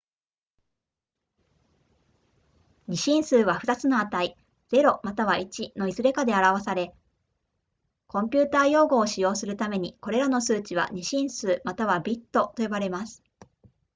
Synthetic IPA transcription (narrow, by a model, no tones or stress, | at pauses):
ɲ̟iɕĩɰ̃sɨːβaɸɯ̟̥t̪at͡sɨno̞at̪ai | d͡ze̞ɾo̞mat̪aβ̞ait͡ɕino̞izɨɾe̞kad̪e̞aɾaβasaɾe̞ | kõ̞mpʲɨːt̪aːjo̞ːɡo̞ːɕijo̞ːsɨɾɯ̟t̪ame̞ɲ̟iko̞ɾe̞ɾano̞sɨːt͡ɕiβa̰ɲ̟iɕĩɰ̃sɨːmat̪aβabʲit̪ːo̞t̪o̞jo̞baɾe̞masɨ̥